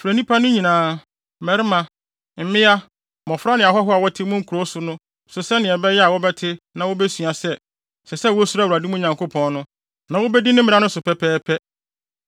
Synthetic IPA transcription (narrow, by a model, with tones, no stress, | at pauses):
fɾæ˨nĩ˦pʰa˦nʊ̃˦ɲĩ˨nãː˨ | mɛ˨ɾɪ˦mã˨ | m̩˨mɪ̃˦a˦ | mɔ̃˨fɾa˦nɪ̃˨a˨ɦɔ˦ɦɔ˦a˨wɔ˦tʰɪ˦mʊ̃˦ŋ̩˦kʰu˨ɾo˦sʊ˨nʊ̃˦ | sʊ˨sɛ˦nɪ̃˨ɛ˨bɛ˦jɛ˦a˨wɔ˦bɛ˦tʰɪ˦nã˨wɔ˦bɛ˦su˨a˨sɛ˦ | sɛ˨sɛ˦˨wɔ˦su˦ɾa˦˨u˨ɾa˨dɪ˦mʊ̃˦˨ɲã˨ŋkʰo˦pʰɔ̃˨nnʊ̃˦ | nã˨wɔ˦bɛ˦di˦nɪ̃˦m̩̃˦˨˦ã˦nʊ̃˦sʊ˨pʰɛ˦pʰɛː˦pʰɛ˦